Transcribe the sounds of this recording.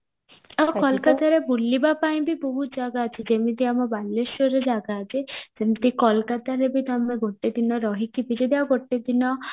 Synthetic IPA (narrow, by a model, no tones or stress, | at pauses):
akɔlkat̪aɾebulːibapaĩbibɔɦud͡ʒaɡaːt͡ʃʰid͡ʒemit̪iamɔbalːeʃɔɾed͡ʒaɡaːt͡ʃʰed͡ʒemit̪ikɔlkat̪aɾebit̪ameɡʱoʈːed̪inɔɾɔɦikipid͡ʒed̪iaɡʱoʈːed̪inɔ